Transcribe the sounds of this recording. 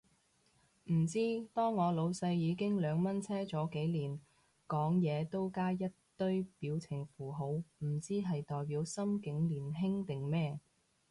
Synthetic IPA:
m̩˨˩t͡siː˥t̪ɔː˥ŋːɔː˨˧lo˨˧wsɐ˧jːiː˨˧kɪ˥ŋlœː˨˧ŋmɐ˥nt͡sʰɛː˥t͡sɔː˨˥ke˨˥jliː˨˩n | kɔː˨˥ŋjɛː˨˧t̪o˥wkaː˥jɐ˥tt̪ɵ˥ɥpiː˨˥wt͡sʰɪ˨˩ŋfuː˨˩ɦo˨˥wm̩˨˩t͡siː˥ɦɐ˨jt̪ɔː˨jpiː˨˧˥wsɐ˥mkɪ˨˥ŋliː˨˩nɦɪ˥ŋt̪ɪ˨ŋmɛː˥

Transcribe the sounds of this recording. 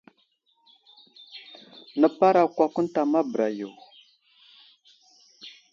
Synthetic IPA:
nə˨pa˦ɾa˨kʷa˨ku˦n˦ta˨ma˦bɾa˨jo˨w

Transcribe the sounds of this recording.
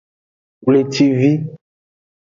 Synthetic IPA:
wle˨t̪i˦vi˦

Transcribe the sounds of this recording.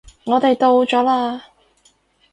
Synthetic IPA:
ŋɔː˨˧t̪e˨jt̪o˧wt͡ʃɔː˨˥laː˧

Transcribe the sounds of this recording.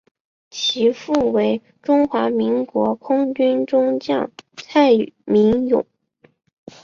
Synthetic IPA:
t͡ɕʰi˧˥fu˥˩we˧˥ɪ | ʈ͡ʂʊ˥ŋxwa˧˥mi˧˥ŋkwɔ˧˥kʰʊ˥ŋt͡ɕy˥nʈ͡ʂʊ˥ŋt͡ɕjɑ̰˥˩ŋt͡sʰa˥˩ɪ˨˩mi˧˥ŋjʊ̰˨˩˦ŋ

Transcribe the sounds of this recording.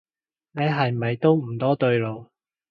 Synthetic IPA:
ne˨˧jɦɐ˨jmɐ˨jt̪o˥wm̩˨˩t̪ɔː˥t̪ɵ˧ɥlo˨w

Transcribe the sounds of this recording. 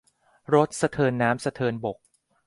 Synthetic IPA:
ɾo˦˥t̪̚sa˧t̪ʰɤː˧nːaː˦˥msa˧t̪ʰɤː˧nbo˨˩k̚

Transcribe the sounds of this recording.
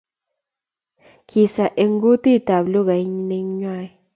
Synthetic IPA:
ki˨sa˨ʔe˧ŋ˦ɡu˦t̪i˦˨t̪a˨blu˦ɣa˨jnĩ˧ŋɲwã˧˨j

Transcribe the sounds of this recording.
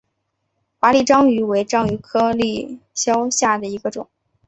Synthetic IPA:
fa˧˥li˥˩ʈ͡ʂɑ˥ŋy˧˥we˧˥ɪʈ͡ʂɑ˥ŋy˧˥kʰɤ˥li˥˩ɕjɑ˥ʊɕja˥˩d̪ə˩i˧˥ɡə˧ʈ͡ʂʊ̰˨˩˦ŋ

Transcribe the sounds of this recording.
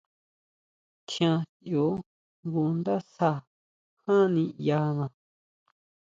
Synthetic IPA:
tjã˧ | jo˨˦ | ŋɡu˧nd̪a˦sa˧ | hã˦nĩ˧ja˧nã˧˨

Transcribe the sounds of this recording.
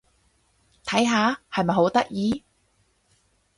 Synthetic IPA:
t̪ʰɐ˨˥jɦaː˨˧hɐ˨jmɐ˨jho˨˥wt̪ɐ˥k̚jiː˨˧

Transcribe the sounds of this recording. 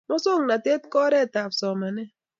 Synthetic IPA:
mɔ˦so˦˨ŋna˨te˦t̚kɔ˦ɾɛ˦˨ta˨psɔ˨ma˨nɛ˦

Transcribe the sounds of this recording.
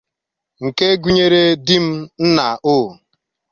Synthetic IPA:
ŋ̩˨ke˦ɡu˦ɲe˦ɾe˦dɪ˦m̩˦n̩˦na˨ʔʊ˦˨

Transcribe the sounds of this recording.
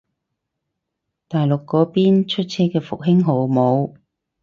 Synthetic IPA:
t̪aː˨jlʊ˨kːɔː˨˥piː˥nt͡ʃʰɵ˥t̚t͡sʰɛː˥kɛː˧fʊ˨k̚ɦɪ˥ŋɦo˨˥wmo˨˧w

